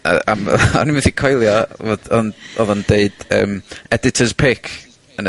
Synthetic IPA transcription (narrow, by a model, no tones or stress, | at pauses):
a̰a̰mɔ̰nimɪθikʰɔjlˠjɔvodɔnɔðɔndeɨd̥ə̰ːmɛdɪtʰəzpʰɪkʰ | ənə